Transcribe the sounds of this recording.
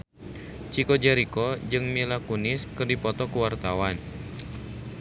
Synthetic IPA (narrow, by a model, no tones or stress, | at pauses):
t͡ʃikɔd͡ʒɛɾikɔd͡ʒɨŋmilakunɪskɨrdipɔt̪ɔkuwart̪awan